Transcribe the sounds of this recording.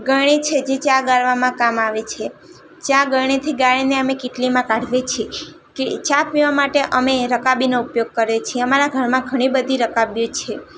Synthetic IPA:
ɡəɽ̃it͡ʃʰed͡ʒet͡ʃãɡaɭʋamãkamaʋet͡ʃʰe | t͡ʃãɡəɽ̃it̪ʰiɡaɭineəmekiʈlimãkaɽ̤ʱʋet͡ʃʰie | ket͡ʃapiʋamaʈeʔəmeɾəkabinoupjoɡ̚kəɾet͡ʃʰieəmaɾaɡʱəɾmãɡʱəɽ̃ibəd̪ʱiɾəkabjut͡ʃʰe

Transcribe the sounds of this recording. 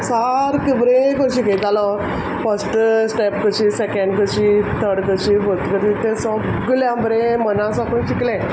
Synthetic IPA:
saɾkibɾẽkəɕiket̪alɔ | fəsʈsʈepkəɕiːsɛkẽɳɖkəɕit̪ʰəɾɽkəɕiːɦot̪kəd̪it̪ẽsɔɡljãbəɾemənãsakũɕiklɛ̃

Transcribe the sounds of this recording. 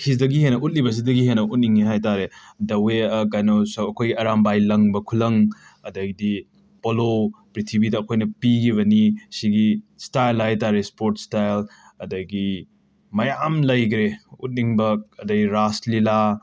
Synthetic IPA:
kʰidɐɡihenːɐʔut̚libɐs̬idɐɡiɦenːɐut̚niŋiɦajtaɾedɐweɐɡajnosɐwɐkʰojɡiʔɐɾambajlɐŋbɐkʰulɐŋ | ɐdɐɡidi | polopɾitʰibidɐːkʰojnɐpikiβɐnisiɡistajlajtaɾespoɾtstajl | ɐdɐɡi | mɐjamlɐjɡɾeut̚niŋbɐk̚ɐdɐɡiɾaslila

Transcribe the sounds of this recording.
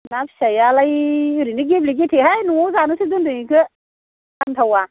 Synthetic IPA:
napʰsajalajuɾinɯɡebliɡitʰeɦajnuɔzanɯsɯdɯndɯŋikʰɯ | antʰawa

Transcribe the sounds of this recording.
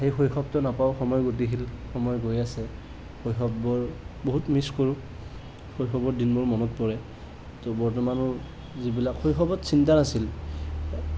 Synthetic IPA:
hejxojxɔp̚tɔnapaʊxɔmɔjɡotiɦilxɔmɔjɡojasɛ | xojxɔbbɔɹboɦutmiskɔɹʊ̃ | xojxɔbɔɹdinbɔɹmɔnɔtpɔɹɛ | tɔbɔɹtɔmanɔ | zibilakxojxɔbɔtsintanasil

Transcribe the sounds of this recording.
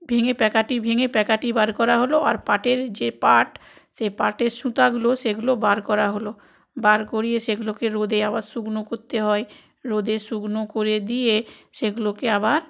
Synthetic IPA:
bʱeŋepɛkaʈibʱeŋepɛkaʈibaɾkɔɾaɦoloa̰ɾpaʈeɾd͡ʑepaʈ | ʃepaʈeɾʃũt̪aɡuloʃeɡulobaɾkɔɾaɦolo | baɾkoɾijeʃeɡulokeɾod̪eaβaɾsuɡnokoɾt̪eɦɔe | ɾod̪esuɡnokoɾed̪ijeʃeɡulokeabaɾ

